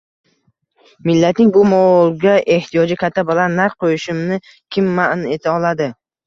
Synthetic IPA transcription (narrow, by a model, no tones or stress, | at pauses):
mɪlːat̪nɪŋbʊmɒlˠɡʲaʔe̞ht̪ʰijɒd͡ʒɪkʲʰat̪ʰːabɪlanːaɾq̚qʰojɪʃɪmnɪ | kʲʰɪmːaʔne̞t̪ʰaɒlad̪ɪ